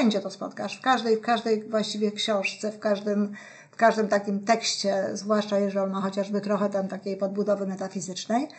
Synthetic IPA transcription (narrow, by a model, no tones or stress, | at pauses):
ɛɲd͡ʑɛt̪ɔspɔ̰t̪kaʂfkaʐd̪ɛjfkaʐd̪ɛjvwaɕt͡ɕivʲjɛkɕɔ̃w̃ʂt̪sɛfkaʐd̪ɘm | fkaʐd̪ɘmt̪akʲimt̪ɛkɕt͡ɕɛzvwaʂt͡ʂajɛʐɛnaxɔt͡ɕaʐbɘt̪ɾɔxɛt̪amt̪akʲejpɔd̪̚bud̪ɔvɘmɛt̪afʲizɘt͡ʂnɛj